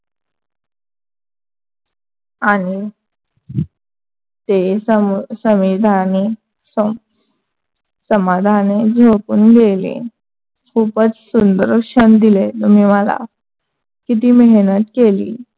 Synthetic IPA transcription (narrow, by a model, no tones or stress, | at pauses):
añi | t̪e | səmʋid̪ʱane | s | səmad̪ʱaned͡zʱokṵːnɡelḛ | kʰupət͡ssund̪əɾkɕənd̪ilet̪um̤iːməla̰ | kit̪̬iːmeɦnət̪kelḭː